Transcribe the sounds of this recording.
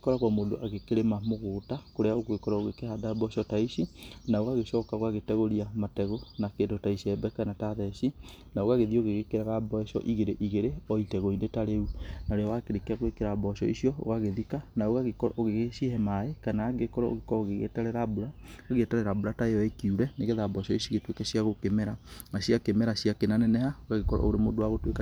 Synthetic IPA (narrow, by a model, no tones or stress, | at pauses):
ekɔɾaɣwamoːndo̰ʔaɣekeɾemamoɣoːtakoɾeaoɣwekɔɾɔoɣekehadabɔʃɔtaisinaoɣaɣeʃɔːkaoɣaɣetɛɣoɾiamatɛɣonakeːndotaisiɛbɛkanataðɛʃi | naoɣaɣeðioɣeɣekeɾaɣabɔɛʃɔ̰ʔiɣeɾeʔiɣeɾeɔitɛɣoindetaɾeunaɾeɔwakeɾekaɣoekeɾabɔʃɔisiɔo̰ɣaɣeðikanaoɣaɣekɔɾɔʔoɣeɣeʃehɛmaekanaɡekɔɾɔo̰ɣekɔoɣeɣḛtɛɾɛɾabuɾaeɣɛtɛɾɛɾabuɾataeɔekiuɾɛneɣeðabɔʃɔisiɣetwekɛsiaɣokemɛɾanaɕiakemɛɾaɕiakenanɛnɛhaoɣaɣekɔɾɔ̰o̰ɾemodowaɣotweka